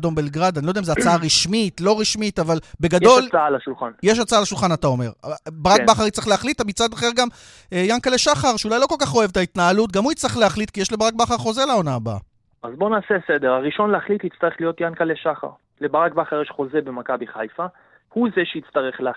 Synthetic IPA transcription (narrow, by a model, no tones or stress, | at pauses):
do̞mbelɡʁad̪anilodeimzeat͡saaʁiʃmitlo̞ʁiʃmit̪avalbe̞ɡado̞lt͡saalaʃulχanjeʃ̬at͡saalaʃulχanat̪ao̞me̞̰ʁbaʁakbaχaʁitt͡sʁeχleaχlit̪amit͡sad̪aχeʁɡam | jankaleʃaχaʁʃeulajlo̞ko̞lkaχo̞e̞vt̪ait̪naːlutɡamhuit͡sʁiχleaχlitkijeʃlebaʁak̚baχaʁχo̞zelao̞naːba̰ | azbo̞naːsesed̪eʁaʁiʃo̞nleaχlithit͡st̪aʁeχlijo̞t̪jankaleʃaχa̰ʁ | lebaʁak̚baχaʁjeʃχo̞zebemakabiχajfa | huzeʃeit͡st̪aʁeχlea